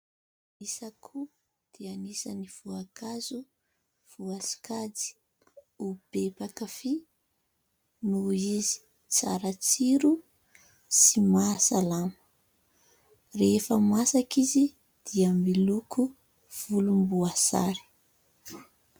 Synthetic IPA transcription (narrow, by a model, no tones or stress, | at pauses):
nisakʰu | d̪̥ianisaniv̥uakazu | v̥uasi̥kad͡zi̥ | ub̥epakafi | nuizi̥ | t͡sa̰ɾat͡siɾu | simasalamə̥ | refəmasakizi | d̪̥iambilukʰu | v̥ulumbuasa̰ɾi̥